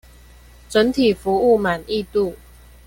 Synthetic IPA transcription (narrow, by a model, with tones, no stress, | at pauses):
t͡sə˨˦nt̪ʰi˨˩fu˨˦u˥˩ma˨˩ni˥˧t̪u˥˨